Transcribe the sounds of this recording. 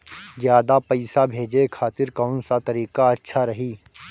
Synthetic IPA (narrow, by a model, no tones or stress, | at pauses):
zjaːd̪apɐɪsabʱeːd͡ʒekʰaːt̪ɪɾkaʊnsat̪ɐɾiːkaɐtːʃʰaɾɐɦiː